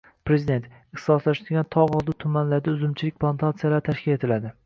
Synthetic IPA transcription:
pɾezid̪e̞nt̪ | ɪχt̪ɪsɒslaʃd̪ɪɡʲant̪ʰɒɒlˠd̪ɪt̪ʰʊmanlaɾd̪aʊzɪmt͡ʃʰɪlɪkʲpʰlˠant̪ʰat̪sijalaɾt̪ʰaʃkʲʰɪle̞t̪ʰɪlad̪ɪ

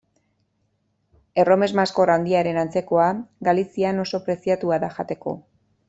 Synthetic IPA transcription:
e̞ro̞me̞zmasko̞rawnd̪iaɾe̞nant͡se̞ko̞aɡalisiano̞so̞pɾe̞siat̪uaðaʝat̪e̞ko̞̰

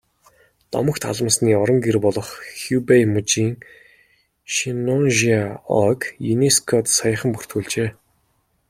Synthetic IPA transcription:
t̪ɔ̰mə̆kt̪ʰa̰ɮə̆msniːɔɾɞ̆ŋɡerpɔɮɞ̆χxjupejmut͡ɕiːŋ | ʃinɔnʒiaɔ̰kjuneskʰɔt̪sajə̆χə̆mpur̥t̪xuːɮt͡ɕeː

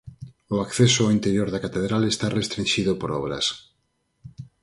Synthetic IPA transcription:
ʊakθesoawint̪eɾjoɾðakat̪eðɾalest̪arest̪ɾĩnʃiðopoɾɔβ̞ɾɐ̰s

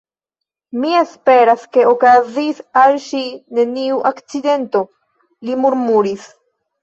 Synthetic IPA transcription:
mie̞spe̞ɾaske̞okazisalʃine̞niuʔakt͡side̞nto̞ | limuɾmuɾis

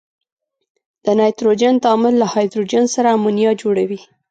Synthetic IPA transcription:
d̪̥ənɑjt̪ɾod͡ʒant̪ɑmɪlːahɑjd̪ɾod͡ʒansaɾaːmunijɑd͡ʒoɽawi

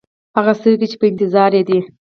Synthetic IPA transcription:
haɣast̪əwket͡ʃe̥pəɪnt̪ɪzɑɾjed̪i

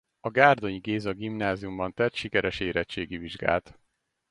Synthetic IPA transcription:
ɒɡaːrd̪o̞ɲiɡeːzɒɡimnaːzijumbɒnt̪ɛt̪ʃikɛɾɛʃeːɾɛt͡ʃːeːɡiviʒɡa̰ːlt̪

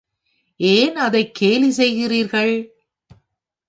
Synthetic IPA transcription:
eːnɐðɐɪkʰːeːlis̬ɛjɣɪriːɾɣɐɭ

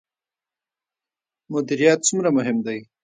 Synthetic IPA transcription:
mʊd̪iɾijɑt̪̚sumɾamʊɦɪmd̪aj

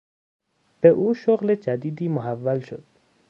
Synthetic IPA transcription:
b̥eʔuːʃoɣlet͡ʃad̪id̪iːmʊɦavːalʃo̰d̪̥̚

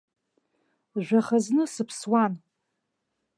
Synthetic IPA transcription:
ʒᶣʷaχaznɨsɨpʰswan

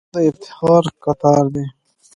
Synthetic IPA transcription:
d̪əɪt̪ɪ̥hɑːɾkat̪ɑːɾd̪e

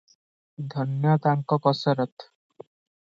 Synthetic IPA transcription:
d̪ʱɔnjɔt̪aŋkɔkɔsɔɾɔt̪

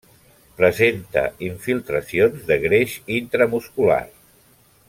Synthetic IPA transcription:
pɾəzent̪ə̰iɱfilˠt̪ɾəsionzðəɣɾeʃint̪ɾəmuskula̰r

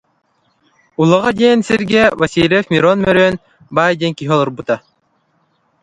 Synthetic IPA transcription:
ulˠɐʁad̪ʲɛːnsiɾɡɛvɐsʲilʲɛfmʲiɾɔnmœɾøːn | baːjd̪ʲɛŋkiɦiɔlˠuɾbut̪a

